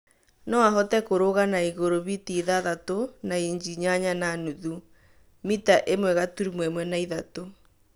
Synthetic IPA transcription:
nɔaɦɔtɛkoɾoɣanaiɣoɾoβitiðaðatonaiɲd͡ʒiɲaɲananuðu | mitaʔemwɛɣatuɾimwɛmwɛnaiðato

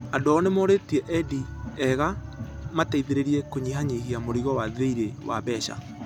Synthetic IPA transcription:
adɔnemoɾetiɛʔɛdiɛɣamataiðeɾeɾiɛkoɲihaɲihiamoɾiɣɔwaðeiɾewa̰βɛʃa̰

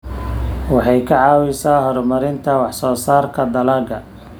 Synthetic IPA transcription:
wɑħɑjkʰɐʕɑːwɪsaːɦɔɾmɐɾɪnt̪ʰɐwɑħsɔːsaːrkʰɐd̪ɐlaːɡɐ

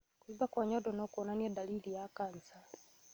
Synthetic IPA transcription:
kuibakwaɲɔdɔnɔkɔnaniɛdalilijakant͡sa

